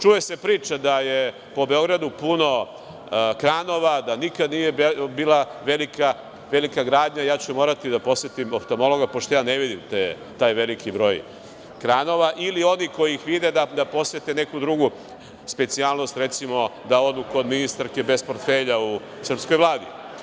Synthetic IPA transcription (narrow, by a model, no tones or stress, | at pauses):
t͡ʃuje̞se̞pɾiːt͡ʃad̪aje | po̞be̞o̞ɡɾad̪upuno̞ | kɾano̞ʋad̪anikad̪nije̞biːlˠaʋelika | ʋe̞likaɡɾaːd̪ɲajaːt͡ɕumoːɾat̪id̪apo̞sʋet̪imopt̪o̞mo̞lˠo̞ɡapoʃt̪o̞jaːneʋid̪imt̪e | t̪aːjʋe̞likʰibɾo̞ːj | kɾaːno̞ʋaʔilio̞niko̞jiixʋid̪ed̪ad̪apo̞sʋe̞t̪ene̞kud̪ɾuɡu | spet̪sialˠno̞st̪ɾe̞t̪simo̞d̪ao̞d̪uko̞d̪minist̪aɾke̞be̞spo̞ɾt̪feʎau | sr̩psko̞jʋlˠaːd̪ḭ